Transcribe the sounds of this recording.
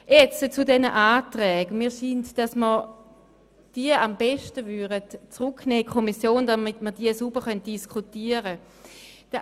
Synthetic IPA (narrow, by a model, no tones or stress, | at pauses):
jɛt͡sət͡sudɛnəʔaːtʁɛːɡ̥miːɐʃintd̥asməʁ | d̥iːəambɛʃtəvydətt͡sʁukneːkʰomisjoːndamitmədiːəsub̥əχœnt̚d̥iskʰutiːəʁə | d̥ə